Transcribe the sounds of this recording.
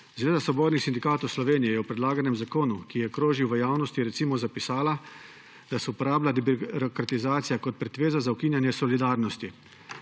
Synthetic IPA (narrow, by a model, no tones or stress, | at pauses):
zʋeːd̪asɔboːd̪nixsind̪ikaːt̪ɔwslɔʋeːnijɛjɛwpɾɛd̪laːɡanɛmzakoːnukijɛkɾoːʒiwʋəjaːwnɔst̪iɾɛt̪siːmɔzapisaːla | d̪̥asɔpɔɾaːblad̪ɛbɾɔkɾat̪izaːt̪ijakɔt̪̚pɾɛt̪ʋeːzazaukiːnjanjɛsɔlid̪aːɾnɔst̪i